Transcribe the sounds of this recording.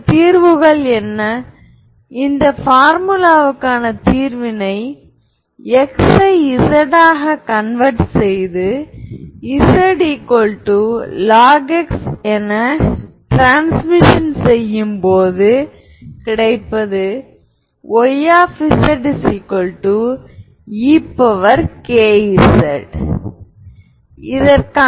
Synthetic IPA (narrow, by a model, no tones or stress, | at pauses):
t̪iːɾʋɯɣɐɭɛnːɐ | ɪnd̪ɐfaːɾmɯlaːʋɯkːaːnɐt̪iːɾʋɪnɐɪ | ɛksɐɪɪsɐɽaːɣɐkɐnʋɐɾʈsɛjðɯ | ɪsɐɽikːɔɭʈːɯlaːɡɛksɛnɐʈɾaːnsmɪʂɐnsɛjːɯmpoːðɯ | kɪɽɐɪpːɐðɯ | ɔjaːfisɐɖsɪkːɔɭʈːu | iːpːɐʋɐɾkeːɪsɐɽ | ɪðɐɾka